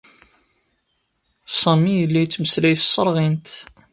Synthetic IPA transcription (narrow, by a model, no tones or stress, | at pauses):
sˤɑmijəlːæjt͡sːməslæjssˤːəɾˤʁint̪